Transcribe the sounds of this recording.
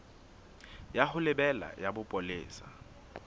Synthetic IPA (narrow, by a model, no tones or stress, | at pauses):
jaχʊlɪbɛla̰jabʊpʼolɪːsḁ